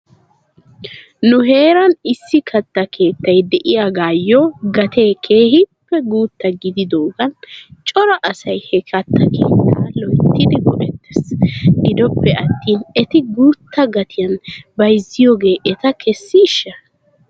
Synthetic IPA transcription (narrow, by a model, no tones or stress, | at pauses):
nʊɦe̞ːɾɐnɪsːɪkʰɐt̪ːɐkʰe̞ːt̪ːɐjd̪ɛʔɪjaɡaːjːoːɡɐt̪ʰe̞ːkʰe̞ːhɪpːɛɡuːt̪ːɐɡɪd̪ɪd̪oːɡɐnt͡ʃʼɔɾɐʔɐsɐjhɛkʰɐt̪ːɐkʰḛːt̪ːaːlɔjt̪ːɪd̪ɪɡɔʔɛt̪ːɛsɡɪd̪ɔpːɛɐt̪ːiːnɛt̪ɪɡuːt̪ːɐɡɐt̪ʰɪjɐnbɐjzːɪjoːɡe̞ːʔɛt̪ɐkʰɛsːɪɪʃːɐ